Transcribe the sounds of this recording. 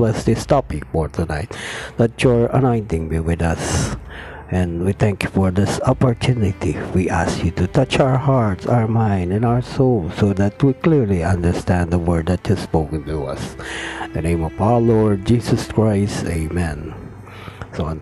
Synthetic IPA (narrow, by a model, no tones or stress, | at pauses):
lɛstɨst̪ɑpifɔɹt̪ʰunaɪt̪̚lætjɔɹɐ̰nɔ̃ɪ̃ntɪ̃ŋbiwɪðʌs | ʔɛ̃ndwiθæ̃ŋkjufɔɹðɪsɔpɔɹt̪ʰunɪt̪iwiʔæskjut̪ut̪ʌt͡ʃaʊə˞hɑɹtsa̰ʊə˞mãɪ̃ndɨ̃nawə˞soʊlˠsoʊðæt̪wiklɪɹliʌ̃nd̪ə˞st̪æ̃nd̪ðəwɜɹd̪̚ðæt̪hɪ̥spoʊkɨ̃nt̪uʌ̰sðənẽɪ̃mɔvalɔɹd̚d͡ʒisəskɹaɪsteɪmɛ̃n | so